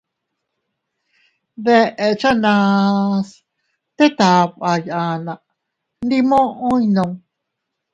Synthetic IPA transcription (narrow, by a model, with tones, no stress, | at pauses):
ðe˧ʔe˧t͡ʃa˦nã˧s | t̪e˦t̪a˨˧pʔa˧jʔa˧nã˨˧ʔ | nd̪i˧mõ˦ʔõ˦ĩ˦nõ˧ŋ